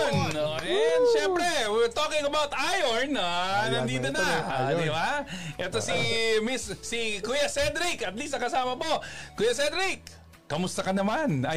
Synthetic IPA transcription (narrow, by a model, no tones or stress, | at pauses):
noʔɛnʃɛmpɾɛwɪɹt̪okɪ̃ŋɐbawt̪ajoɹnnɐnd̪iːd̪onad̪ɪbaʔɛt̪osimisːikujɐsɛd̪ɾɪkɐt̪lisnɐkɐsaːmɐboːʊjɐsɛd̪ɾɪkː | ɐmʊst̪ɐkɐnɐmanɐ